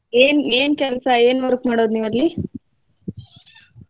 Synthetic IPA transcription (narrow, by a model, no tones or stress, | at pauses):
eːneːnkɛlɐsɐe̞ːnʋɐɾkmaːɽoːd̪niːʋɐɾli